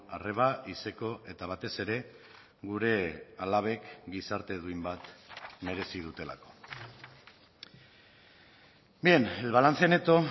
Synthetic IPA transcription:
are̞βaise̞ko̞ʔe̞t̪aβ̞at̪e̞se̞ɾe̞ | ɡuɾe̞alaβ̞e̞kɡisaɾt̪e̞ðuimbat̪me̞ɾe̞sið̞ut̪e̞la̰ko̞̥ | bienelβalant͡se̞ne̞t̪o̞

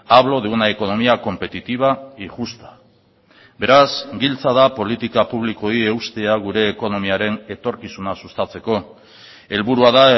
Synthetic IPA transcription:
aβ̞lo̞ðuunaeko̞no̞miako̞mpe̞t̪it̪iβ̞aiʝust̪ḁ | be̞ɾasɡilt͡saðapo̞lit̪ikapuβliko̞ie̞ust̪e̞aɣ̞uɾe̞ːko̞no̞miaɾe̞ne̞t̪o̞ɾkisunasust̪at͡se̞ko̞ | e̞lβuɾuaða

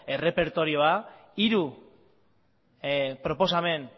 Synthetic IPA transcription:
e̞re̞pe̞ɾt̪o̞ɾio̞aiɾu | pɾo̞po̞same̞n

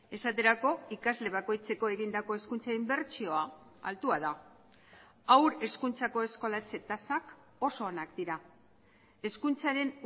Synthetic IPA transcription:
e̞sat̪e̞ɾako̞ikazle̞β̞ako̞jt͡se̞ko̞e̞ɣind̪ako̞e̞skunt͡saimbe̞ɾt͡ʃio̞a | a̰lt̪uaða | awɾe̞skunt͡sako̞e̞sko̞lat͡se̞t̪asak | o̞so̞ːnakd̪iɾa | e̞skunt͡saɾe̞n

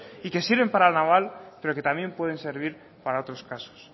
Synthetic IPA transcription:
ike̞siɾβe̞mpaɾalnaβ̞alpe̞ɾo̞ket̪amje̞mpwe̞ð̞enseɾβ̞iɾ | paɾaot̪ɾo̞skaso̥s

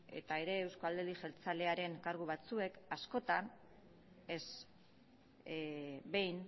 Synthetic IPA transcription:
ḛt̪ae̞ɾe̞ːwskoald̪eliʝe̞lt͡sale̞aɾe̞ŋkaɾɣuβat͡sue̞kasko̞t̪an | e̞z | be̞jn

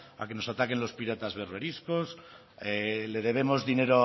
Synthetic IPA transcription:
a̰ke̞nosat̪ake̞nlo̞spiɾat̪azβeɾβe̞ɾiskos | ele̞ðe̞β̞e̞mo̞zðine̞ɾo

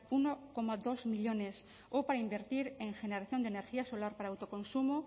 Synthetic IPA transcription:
unokomaðozmiʎones | opaɾaimbe̞ɾt̪iɾe̞ŋxeneɾaθjo̞nd̪ene̞ɾxiaso̞laɾpaɾaːwt̪okõ̞nsumo

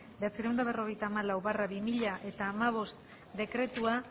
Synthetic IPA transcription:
beat͡siɾewnd̪aβ̞e̞ro̞ɣ̞e̞jt̪aːmalawβaraβimiʎaʔe̞t̪aːmaβ̞o̞st̪ | d̪e̞kɾe̞t̪ua

